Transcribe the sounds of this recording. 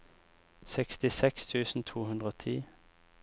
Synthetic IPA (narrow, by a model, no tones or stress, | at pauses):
sɛkst̪ɪsɛkst̪ʰʉːsn̩t̪ʰuːhʉnd̪ʁəoːt̪ʰiː